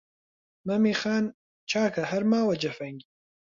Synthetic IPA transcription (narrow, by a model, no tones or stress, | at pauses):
mɐmiːxaːn | t͡ʃʰaːkʰɐhɐɾmaːwɐd͡ʒɐfɐŋɡʲi